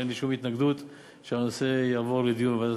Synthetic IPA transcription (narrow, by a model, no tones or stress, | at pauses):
enliʃumit̪naɡd̪ut̪ | ʃeanosejavo̞led̪ijunbevad̪a